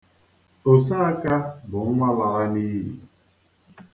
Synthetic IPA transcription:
o˨s̬a˦ka˦bʊ˨˦ŋʷa˦la˨ɾa˦ni˦ɦḭ˨

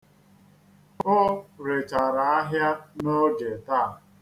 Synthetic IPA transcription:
o˦ɾe˨t͡ʃa˨ɾa˨a˦ɦja˦no˦d͡ʒe˨ta˦˨

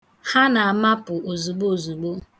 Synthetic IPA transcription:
ha˦na˨a˨ma˦pʊ˨o˨zu˨ɡ͡bo˦o˨zu˨ɡ͡bo˦

